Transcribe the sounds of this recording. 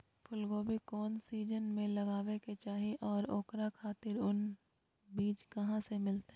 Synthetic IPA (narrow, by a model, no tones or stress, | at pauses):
pʰʊlɡoːbʱikɔːnsiːd͡ʒənmẽlɐɡaːʋeket͡ʃaːɦiʔɔːɾoːkɾakʰaːt̪ɪɾʊn | biːt͡ʃkɐɦãsemɪlt̪ː